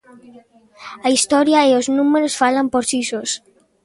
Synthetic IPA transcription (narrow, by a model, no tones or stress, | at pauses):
aist̪ɔɾjaeoznumeɾosfalampoɾsisos